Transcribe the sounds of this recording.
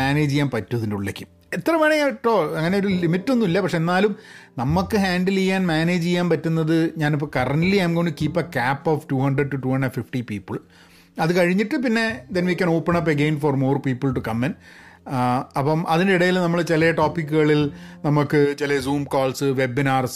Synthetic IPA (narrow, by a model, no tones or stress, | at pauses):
aːne̞ːd͡ʑijːaːnpɐtːuɐðinduɭːekʲːu̥m | et̪ːrɐmeɳɐjaʈoːlɐŋːɐneo̞ɾulimitːo̞nːuilːɐpɐkʂeenːaːlumnɐmːɐkːɨhaːɳɖilijːaːnmaːneːd͡ʑijːaːnpɐtːunːɐðɨɲaːnup̬ːokɐrɐnʈliamkoɳɖɨkiːpːɐkaːpːoːfʈuːhɐɳɖrɐɖ̚ʈuʈuːhɐɳɖɐfifʈipiːpːɨɭ | ɐðɨkɐɻiɲːiʈːɨp̬inːe̞d̪enʋikʲːaːno̞ːpːɐɳɐpeɡejnformoːrpiːpːɨɭʈukɐmːen | ɐpːɐmʔɐðinde̞iɽɐjilnɐmːɐɭt͡ɕeleʈo̞ːpːik̬ːuɣɐɭilnɐmukːɨt͡ɕilɐsuːmkoːlsɨʋe̞binaːrs